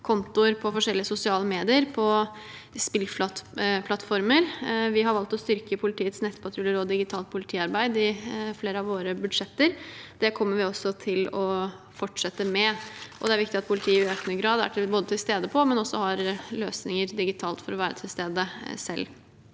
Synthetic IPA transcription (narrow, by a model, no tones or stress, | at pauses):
kʰɔnt̪ʊəɾpʰɔfɔʂɛlːɪəsʊsɪɑːləmeːd̪ɪəɾpʰɔ | spɪlflɑt̪pʰlɑt̪ːfɔɾməɾʋɪɦɑɾʋɑlt̪ɔst̪ʏɾkəpʰʊlɪt̪ʰiːət̪snɛt̪ːpʰɑt̪ʰɾʉləɾɔd̪ɪɡɪt̪ʰɑːlt̪̚pʰʊlɪt̪ʰiːɑɾbæɪd̪ɪfleːɾəɑʋʋoːɾəbʉd̪ʂɛt̪ːəɾd̪̥ɛkʰɔmːəɾʋɪɔsːɔt̪ʰɪlɔ | fɔʈʂɛt̪ːəmɛʔɔ̰d̪ɛæɾʋɪkt̪ɪɑt̪̚pʰʊlɪt̪ʰiːəɪøːknəɡɾɑːd̪æ̰ʈboːd̪ət̪ʰɪlst̪eːd̪əpʰɔmɛnɔsːɔhɑɾløːsnɪŋəɾd̪ɪɡɪt̪ʰɑːlt̪fɔɾɔʋæːɾə̰t̪ʰɪlst̪eːd̪əsɛ̰lː